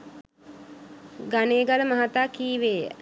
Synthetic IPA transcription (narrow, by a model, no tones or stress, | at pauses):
ɡaneːɡaləmaɦat̪aːkiːʋeːjə̰